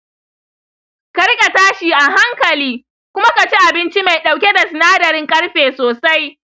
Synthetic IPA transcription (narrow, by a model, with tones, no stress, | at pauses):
kɐ˦ɾkʼa˨taː˦ʃiː˨ʔa˨ɦa˦ŋkɐ˨liː˦ | kʷʊ˦ma˦ka˨t͡ʃi˦ʔa˨bɪ˦nt͡ʃi˦ma˨jɗa˨wkʲe˦da˨sɪ˨naː˦dɐ˨ɾɪ˦ŋkʼɐ˦ɽɸeː˨soː˨sa˦j